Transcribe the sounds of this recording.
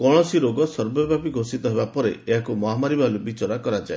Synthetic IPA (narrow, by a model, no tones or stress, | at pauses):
kɔɽ̃ɔsiɾoɡɔsɔɾbɔbapiɡʱosit̪ɔɦebapɔɾḛeɦakumɔɦamaɾibalubit͡ʃɔɾakɔɾad͡ʒae